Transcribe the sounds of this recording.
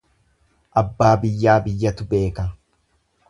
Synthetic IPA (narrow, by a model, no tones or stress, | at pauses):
ʔɐbːaːbɪjːaːbɪjːɐt̪ʊbe̞ːkɐ